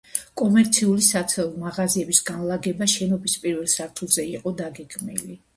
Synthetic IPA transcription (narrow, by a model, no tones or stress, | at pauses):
kʼɔmɛɾt̪sʰiulisat̪sʰɛlˠmaʁaziɛbisɡanlˠaɡɛbaʃɛnɔbispʼiɾvɛlˠsaɾt̪ʰulˠzɛiqʼɔd̪aɡɛɡmḭli